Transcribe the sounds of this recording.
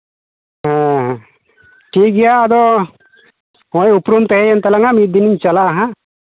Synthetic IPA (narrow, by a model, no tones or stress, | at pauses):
ɦãɦ | ʈiːɡijaːd̪o | ojupɾumt̪eɦejent̪ɐlɐŋamid̪iniɲt͡ʃɐlaːɦɐ